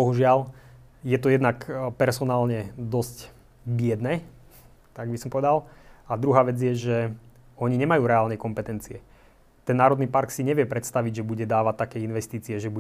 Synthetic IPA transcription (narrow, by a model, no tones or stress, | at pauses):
bɔɦuʒɪal | jɛt̪ɔjɛd̪nakpɛɾsɔnaːlɲɛd̪ɔsc | bɪɛd̪nɛː | t̪aɡbisɔmpɔʋɛd̪alad̪ɾuɦaːʋɛd͡zjɛʒɛ | ɔɲiɲɛmajuːɾɛaːlnɛkɔmpɛt̪ɛnt͡siɛ | t̪ɛnːaːɾɔd̪niːpaɾksiɲɛʋɪɛpɾɛt̪st̪aʋiɟʒɛbuɟɛd̪aːʋat̪ːakɛːinʋɛst̪iːt͡siɛʒɛbu